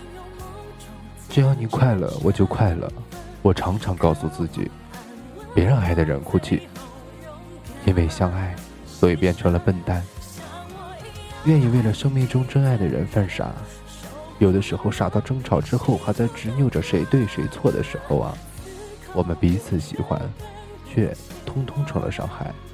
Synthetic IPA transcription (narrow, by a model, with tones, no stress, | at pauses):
ʈ͡ʂ̩˥˧jɑ˥˩ʊni˨˩˦kʰwa˥˩ɪlə̰˩wɔ̰˨˩t͡ɕjo˥˧ʊkʰwa˥˩ɪlə̰˩ | wɔ˨˩ʈ͡ʂʰɑ˧˥ŋʈ͡ʂʰɑ˧˥ŋkɑ˥˧ʊsu˥˧t͡sɹ̩˥˩t͡ɕḭ˨˩˦ | pjɛ˧˥ɻɑ˥˧ŋa˥˩ɪd̪ə˩ɻə̰˧˥nkʰu˥˩t͡ɕʰy̰˥˩ | i˥nwe˥˧ɪɕjɑ˥ŋa˥˩ɪ | swɔ˧˥i˨˩pjɛ˥˩nʈ͡ʂʰɤ˧˥ŋlə˧pə˥˧nt̪a˥n | ɥɛ˥˧ni˥˧we˥˩ɪlə˩ʂɤ˥ŋmi˥˩ŋʈ͡ʂʊ˥ŋʈ͡ʂɤ˥ŋa˥˩ɪd̪ə˩ɻə̰˧˥nfa˥˩nʂa̰˨˧˥ | jo˨˩ʊd̪ə˧˦ʂɻ̩˧˥xo˥˧ʊʂa˨˩t̪ɑ˥˩ʊʈ͡ʂɤ˥ŋʈ͡ʂʰɑ˨˩ʊʈ͡ʂɻ̩˥xo˥˩ʊxʰa˥t͡sa˥˩ɪʈ͡ʂɻ̩˧˥mjo˥˩ʊə˩ʂe˧˥ɪt̪we˥˩ɪʂe˧˥ɪt͡sʰwɔ˥˩d̪ə̰˩ʂɻ̩˧˥xo̰˥˧ʊɐ̰˨˩ | wɔ˨˩mə˦npi˧˥t͡sʰɹ̩˨˩˦ɕḭ˨˩xwa̰˥n | t͡ɕʰɥɛ̰˥˩ | t̪ʰʊ˥ŋt̪ʰʊ˥ŋʈ͡ʂʰɤ˧˥ŋlə̰˧ʂɑ̰˥˧ŋxa˥˩ɪ